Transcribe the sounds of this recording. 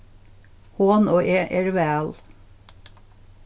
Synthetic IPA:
hoːnoːʔeʔɛɹʋæːl

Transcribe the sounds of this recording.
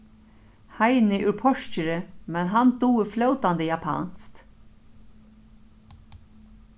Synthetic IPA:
haɪnɪʔʉɾpʰɔʂcəɾəmɛnɦand̪uːflœwt̪and̪əjapʰɑ̰ːnst̪

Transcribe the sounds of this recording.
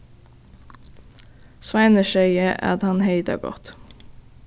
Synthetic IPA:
sʋæɪnəʃœʏəʔæ̰ːɑt̪hɑnheɪd̪ɑ̰ːɡɔ̰t̪

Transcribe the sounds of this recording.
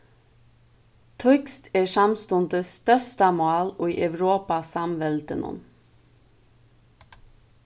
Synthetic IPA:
t̪ʰʊkst̪eːsɑmst̪ʊnd̪əst̪œst̪ɑmʊɑːloːiːʔæʋɾoːpɑsɑmʋɛld̪ənʊ̰n

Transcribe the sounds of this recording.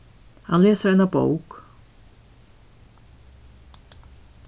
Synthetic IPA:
hanleːsəɾɛnabo̰wk

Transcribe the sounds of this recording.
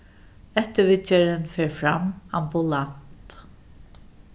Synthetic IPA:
ɛht̪əvɪt͡ʃaɾɪnfɛːɹfɾama̰mbʊlan̥t̪

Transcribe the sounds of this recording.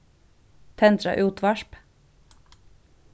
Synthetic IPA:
t̪ʰɛnt̪ɾɑ̰ʔʉːt̪ʰʋɑʃp

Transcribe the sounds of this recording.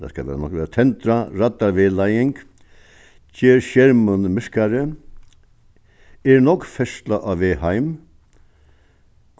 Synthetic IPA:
t̪ʰa̰ska̰ʋɛːɾanɔkʋɛːɾat̪ʰɛnt̪ɾaɾat̪ːaɾʋɪːlajɪŋk | cʰeːɾʃjɛɾmʊnmɪɹ̥kaɾə | ɛɾnɔkfɛst̪laʔɑʋʋeːhajm

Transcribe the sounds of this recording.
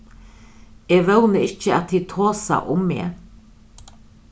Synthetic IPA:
eːʋœwnəɪt͡ʃːəat̪̚hiːt̪ʰoːsa̰ʔʊmːḛː

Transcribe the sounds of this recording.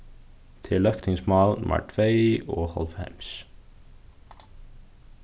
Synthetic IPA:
t̪ʰɪlːœhkt̪ʰɪŋsmaðma̰ɾt̪ʰveːjɔɣhɔ̰lvhḛjms

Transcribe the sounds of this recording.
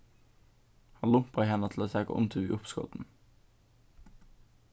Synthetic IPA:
hɑnlʊmpəʁɪhɛnət̪ʰl̩oːsɛkə̰ʔʊ̰mt̪ʰʉːʋḭːʔʊpskɔ̰t̪n̩

